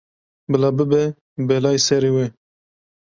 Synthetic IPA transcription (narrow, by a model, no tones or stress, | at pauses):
bɨlɑbɨbɛ | bɛlɑːjsɛɾiwe